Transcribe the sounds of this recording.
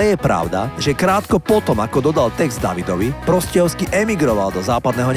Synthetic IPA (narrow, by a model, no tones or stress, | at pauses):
ɛjɛpɾa̰ʊd̪a̰ʒɛkɾaːt̪kɔpɔt̪ɔmakɔd̪ɔd̪alt̪ɛɡzd̪d̪a̰ʋid̪ɔʋipɾɔscɛɔʊskiʔɛmiɡɾɔʋald̪ɔzaːpad̪nɛːɦɔɲ